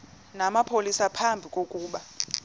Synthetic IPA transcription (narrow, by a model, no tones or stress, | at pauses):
namapʰolisapʰambʱikʼokʼuːɓa